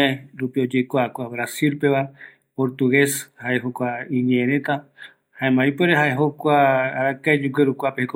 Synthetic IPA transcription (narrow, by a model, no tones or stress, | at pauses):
eɾupio̞d͡ʒekʷakʷaβɾasilpe̞βa | poɾt̪uɣe̞shaʔeɦokʷaĩɲẽẽɾẽt̪a | haẽmbãĩpeɾeɦaeɦokʷaːɾakajd͡ʒuɡeɾukʷapeheko